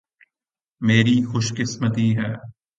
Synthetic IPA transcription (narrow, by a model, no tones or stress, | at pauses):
meːɾiːxʊʃkɪsmət̪iɦɛː